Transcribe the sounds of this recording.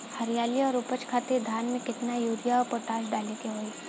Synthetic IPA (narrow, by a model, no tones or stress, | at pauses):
hɐɾjaːliɔːɾʊpət͡ʃkʰaːt̪eɾd̪ʱaːnmẽkɪt̪najuːɾijaɔːɾpoːʈaːʃ̬ɖaːlek̪eɦoːiː